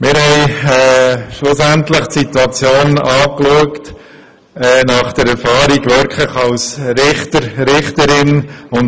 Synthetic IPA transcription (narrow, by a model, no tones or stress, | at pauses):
mɪɾhɛɪɛʃlʊsæntləχtsit̪uɑt͡sjoːnɑːkluəkt | ɛnɑχd̥əɾɛɾfɑːɾiɡʋɪɾkʰləχɑlsɾɪχtəɾɾɪχtəɾɪnʊn